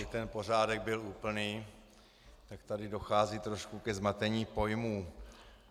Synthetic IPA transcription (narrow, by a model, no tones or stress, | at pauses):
ɪt̪ɛnpo̞r̝aːdɛɡ̚bɪluːpl̩niː | t̪akt̪adɪdo̞xaːziːt̪ɾo̞ʃkukɛzmat̪ɛɲiːpo̞jmuː